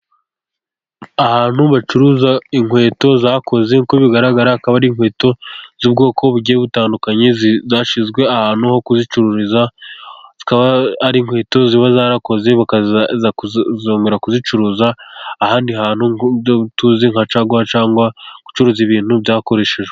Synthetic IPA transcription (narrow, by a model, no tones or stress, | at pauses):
ahaːn̥huβat͡ʃuɾuzaiŋwe̞ːto̞zaːkʰo̞ze̞ŋkoβiɡaɾaɡaɾaakaβaɾiŋhwe̞ːto̞z̥uːbɡo̞ːkʰo̞βuɟieβutaːndukaɲezzaːʃizɡwe̞ahaːn̥huho̞kuzit͡ʃuɾuɾiza | z̥ikaβaaɾiːŋhwe̞ːto̞ziβazaːɾako̞ze̞βakazauzoːŋɡeɾakuzit͡ʃuɾuːzaːhaːndiɦaːn̥huoutuziŋ̥at͡ʃaɡwaat͡ʃaːŋɡwaku̥t͡ʃuɾuziβiːn̥hubjaːko̞ɾe̞ːʃe̞ʒe